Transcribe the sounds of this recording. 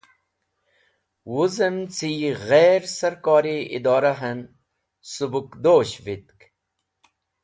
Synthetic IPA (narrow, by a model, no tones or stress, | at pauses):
wuzəmt͡sʰiːɣeːɾsɐɾkɑːɾiḭd̪aːɾaɦɐn | subukd̪oːɕʋit̪̚k